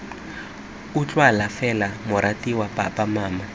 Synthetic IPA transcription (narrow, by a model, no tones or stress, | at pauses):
ut͡ɬʼwalafɛlamʊɾatiwapʼa̰pʼamaːma